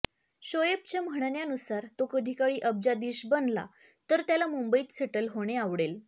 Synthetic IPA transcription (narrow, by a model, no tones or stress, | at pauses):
ɕojep̚t͡ɕem̤əɳ̃njanusaɾt̪okəd̪ʱikaɭiːʔəb̚d͡ʑad̪iɕbənla̰ | t̪əɾt̪jalamumbəiːt̪seʈəlɦoɽ̃eaʋɽel